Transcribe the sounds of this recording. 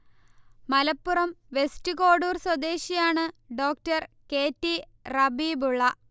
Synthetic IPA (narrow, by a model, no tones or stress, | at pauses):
mɐlɐpːurɐmʋe̞stuko̞ːɽuːrswɐd̪e̞ːɕijaːɳɨɖo̞ːktɐrke̞ːtːi | rɐbibuɭːɐ